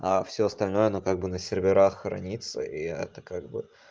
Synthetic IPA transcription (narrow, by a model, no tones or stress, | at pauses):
afsʲoɐst̪ɐlʲno̞jəɐnokaɡ̚bɨnəsʲɪrvʲɪɾaxːɾɐ̰nʲit̪sə̰ʔiɛ̰t̪əkaɡ̚bɨ